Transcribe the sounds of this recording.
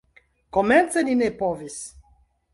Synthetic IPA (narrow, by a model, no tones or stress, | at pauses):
komɛnseninepɔvis